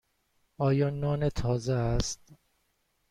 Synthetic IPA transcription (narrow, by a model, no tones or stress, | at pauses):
ɒːjɒːnɒːnet̪ʰɒːzeæst̪̚